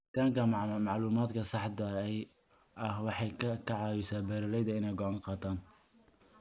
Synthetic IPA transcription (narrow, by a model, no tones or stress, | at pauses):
ɪt̪ʰaːŋkʰɐmɑʕluːmaːd̪kʰɐsɑħd̪ɐɛj | ʔɐhwɑħɑjkʰɐʕɑːwɪsaːbɛːɾɪlɛjd̪ɐɪnɛjɡɔʕɑːŋqɑːt̪ʰaːn